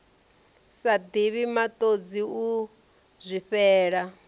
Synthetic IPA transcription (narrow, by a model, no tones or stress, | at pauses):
sad̪iβimat̪ʼod͡ziu | zʷiɸɛːɺa